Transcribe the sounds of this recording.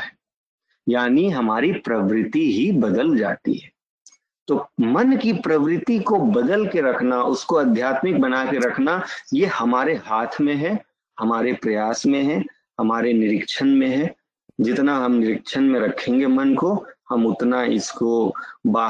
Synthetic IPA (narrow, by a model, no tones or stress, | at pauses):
ɛ | jaːniɦɐmaːɾipɾɐʋɾɪt̪iɦibɐd̪əld͡ʒa̰ːt̪ḭɦɛː | t̪oːmɐnkipɾɐʋɾɪt̪ikobɐd̪əlkeɾɐkʰnaʔʊskoɐd̪ʱjaːt̪mɪk̚bɐnakeɾɐkʰnajehɐmaːɾeɦaːt̪ʰmẽɦɛ | hɐmaːɾepɾɐjaːsmẽɦɛ | hɐmaːɾenɪɾɪkʃənmẽɦɛ | d͡ʒɪt̪naɦɐmnɪɾɪkʃʰənmẽɾɐkʰẽːŋɡemɐnkohɐmʊt̪naɪskobaː